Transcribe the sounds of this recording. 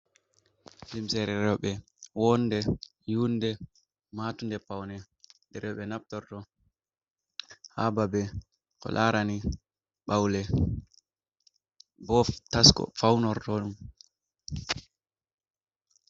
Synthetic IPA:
limsɛɾɛɾɛwɓɛ | wɔndɛ | jundɛ | matundɛpawnɛ | dɛɾɛwɓɛnap̚tɔɾtɔ | hababɛ | kɔ̰lʔaɾani | ɓawlɛ | bɔftaskɔ̰fawnɔɾtɔɗum

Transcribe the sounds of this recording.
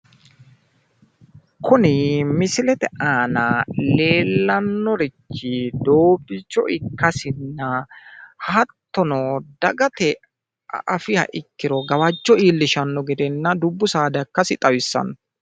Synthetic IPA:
kʰʊnɪmɪsɪlɛt̪ɛʔaːnɐle̞ːlːɐnːɔɾɪt͡ʃːɪd̪oːbɪt͡ʃːɔʔɪkːɐsɪnːɐ | hat̪ːɔnɔd̪ɐɡɐt̪ɛ | ʔɐfɪhɐ̰ʔɪkːɪɾɔɡɐwɐt͡ʃːɔiːlːɪʃɐnːɔɡɛd̪ɛnːɐd̪ʊbːʊsaːd̪ɐkːɐsɪt̪ʼɐwɪsːɐ̰n

